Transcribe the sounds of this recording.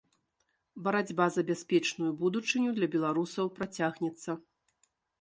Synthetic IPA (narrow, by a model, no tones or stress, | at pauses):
bɐɾad͡zʲbazɐbʲaspʲɛt͡ʂnujubud̪ut͡ʂɨnʲud̪lʲɐbʲɛlˠaɾusɐwpɾat͡sʲaɣnʲɛt̪sːɐ